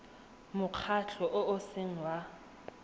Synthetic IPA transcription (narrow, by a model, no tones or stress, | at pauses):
mʊq͡χʰat͡ɬʰɔʔʊʊsɪŋ̩wa